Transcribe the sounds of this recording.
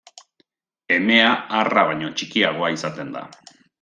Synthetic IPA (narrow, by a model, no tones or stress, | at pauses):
e̞me̞aːraβ̞aɲo̞t͡ʃikiaɣ̞o̞aisat̪e̞nd̪a̰